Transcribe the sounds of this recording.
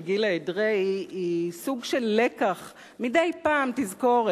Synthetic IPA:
ɡilaedʁeiisuɡʃelːekaχ | midejpaːmt̪izko̞ʁ

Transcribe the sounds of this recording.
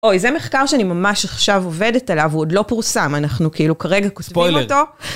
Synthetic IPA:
ojzeme̞χkaʁʃeanimamaʃaχʃavove̞detalavuodlo̞puʁsamanaχnukiilukaʁe̞ɡakotvijmto̞

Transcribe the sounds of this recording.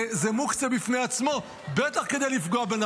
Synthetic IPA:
zemukt͡sabifneat͡smo̞ | bet̪aχke̞d̪e̞jlifɡoabena

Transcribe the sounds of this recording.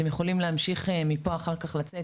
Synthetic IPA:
emjeχo̞limleamʃiχemipo̞aχaʁkaχlat͡se

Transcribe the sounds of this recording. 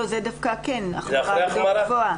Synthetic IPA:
ozedafkakenaχaɡvoa

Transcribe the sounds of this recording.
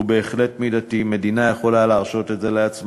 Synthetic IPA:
be̞ːχle̞tmid̪atime̞d̪inajeχo̞laleaʁʃo̞t̪etze̞leat͡sm

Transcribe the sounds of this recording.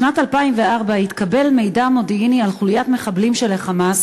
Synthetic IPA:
ʃnatalpaimveaʁbait̪kabe̞lme̞jdamo̞diinialχuljatme̞χablimʃeleχamas

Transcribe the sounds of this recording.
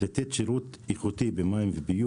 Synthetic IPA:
et̪et̪ʃiɾut̪ | iχut̪ibemaimvebiju

